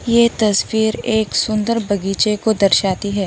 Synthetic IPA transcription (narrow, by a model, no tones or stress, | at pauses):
jet̪ɐswiːɾeːksʊ̃nd̪əɾbɐɡiːt͡ʃekod̪ɐɾʃaːt̪iɦɛː